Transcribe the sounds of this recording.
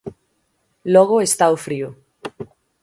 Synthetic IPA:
lɔɣ̞oest̪aofɾiʊ

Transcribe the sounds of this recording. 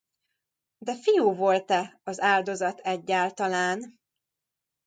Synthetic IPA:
d̪ɛfijuːvo̞lt̪ɛɒzaːrd̪o̞zɒt̪ʰɛɟːaːlt̪ɒlaːn

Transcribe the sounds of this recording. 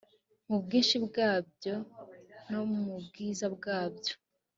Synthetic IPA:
mubɡiːnʃibɡaːbɟo̞nomubɡiːzabɡaːbɟo̥

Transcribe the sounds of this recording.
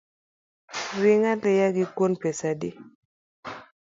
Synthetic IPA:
ɾɪŋalɪjaɡɪkwonpɛsadi

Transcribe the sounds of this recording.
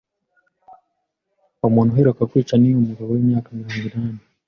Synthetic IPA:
wamɔnɔɦɛɾɔkakwit͡ʃaniumuɡawɛmjakamiɾɔŋɡunaːnɛ

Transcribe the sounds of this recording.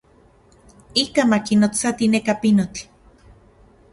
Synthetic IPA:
ikamakinot͡sat̪inekapinot͡ɬ

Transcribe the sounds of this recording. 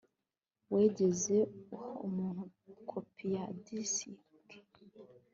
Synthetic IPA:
weːɟe̞zeuhumuːn̥ukʰopʰijadisi | ti̥

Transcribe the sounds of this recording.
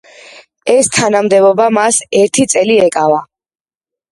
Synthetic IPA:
ɛst̪ʰanamd̪ɛbɔbamasɛɾt̪ʰit̪sʼɛliɛkʼava

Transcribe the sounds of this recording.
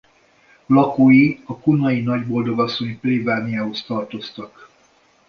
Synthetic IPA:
lɒkoːjiɒkunɒjinɒɟbo̞ld̪o̞ɡɒsːo̞ɲplivaːnijaːɦost̪ɒrt̪o̞st̪ɒk

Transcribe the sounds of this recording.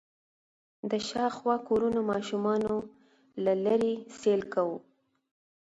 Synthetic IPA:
d̪əʃɑxwɑkoɾunomɑʃumɑno | lalaɾiselkawu

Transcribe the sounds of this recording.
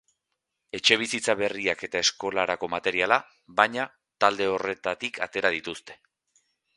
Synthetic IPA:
e̞t͡ʃe̞β̞isit͡saβe̞riake̞t̪ae̞sko̞laɾako̞mat̪e̞ɾiala | βajɲa | t̪ald̪e̞o̞re̞t̪at̪ikʰat̪e̞ɾað̞it̪ust̪e̞̥

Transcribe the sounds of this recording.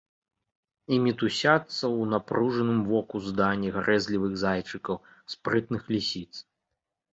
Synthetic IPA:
imʲit̪usʲat̪sːɐwnapɾuʐɐnɨmvɔkuzd̪anʲːiɣaɾʔɛzʲlʲivɨɣzajt͡ʂɨkɐw | spɾɨt̪nɨxlʲisʲit̪s

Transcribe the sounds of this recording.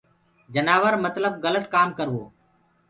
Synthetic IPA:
d͡ʒənaːʋəɾmət̪ləbɣələt̪kaːmkəɾʋoː

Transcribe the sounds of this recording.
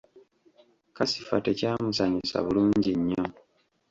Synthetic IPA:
kasi̥fate̞caːmusaɲisa̰βuluːɲɟiɲːo

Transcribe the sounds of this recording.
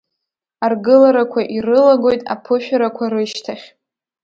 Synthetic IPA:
arɡɨlaɾakʷʰaʔirɨlaɡo̞jtʼa̰pʰɨʃᶣaɾakʷʰaɾɨʃtʰaχʲ

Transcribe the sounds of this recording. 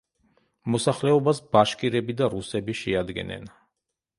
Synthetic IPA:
mɔsaχlɛɔbasbaʃkʼiɾɛbid̪aɾusɛbiʃɛad̪ɡɛ̰nɛ̰n

